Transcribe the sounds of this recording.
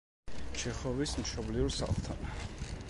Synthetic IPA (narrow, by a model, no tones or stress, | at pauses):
t͡ʃʰɛχɔvismʃɔbliuɾsa̰χlˠt̪ʰa̰n